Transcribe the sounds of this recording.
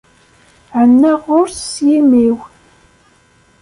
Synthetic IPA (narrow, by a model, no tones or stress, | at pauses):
ʕənːəʁʊɾsjimiw